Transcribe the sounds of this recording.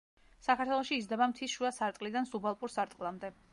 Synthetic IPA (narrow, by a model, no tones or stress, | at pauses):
sakʰaɾt̪ʰwɛlˠɔʃiːzd̪ɛbamt̪ʰisʃuasaɾt̪ʼqʼlid̪ansubalˠpʼuɾsaɾt̪ʼqʼlˠamd̪ɛ